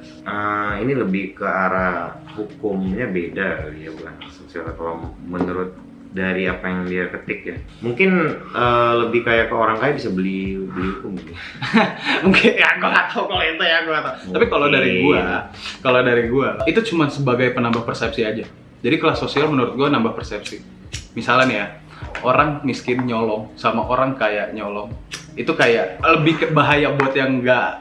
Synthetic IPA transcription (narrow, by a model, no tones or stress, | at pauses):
ʔəiniləbɪhkəaɾa | hukʊmɲabedaijabukansosiala̰t̪awamənəɾʊt̪̚ | daɾiapajaŋdiakət̪ɪk̚jamuŋkɪnələbɪhkajakəoɾaŋkajabisabəlibəliɦukʊmɡi | muŋkʰɪnaɡoat̪awkolent̪ajaŋɡuat̪aapikalodaɾiɡua | kalodaɾiɡuait̪ut͡ʃumansəbaɡajpənambahpərsɛp̚siad͡ʒa | d͡ʒadikəlasosialmənuɾʊt̪̚ɡuanambahpərsɛp̚si | misalanja | oɾaŋmiskɪnɲolɔŋsamaʔoɾaŋkajaʔɲolɔŋ | it̪ukajaʔləbɪhkbaɦajabuat̪jaŋɡaʔ